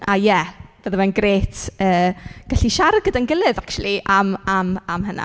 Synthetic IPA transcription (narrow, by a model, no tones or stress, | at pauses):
ʔajɛb̥əðəwɛnɡreːtʰəːɡ̥aɬiʃaɾɡədanɡəlˠɨðakt͡ʃw̰lˠiʔamamamɦəna̰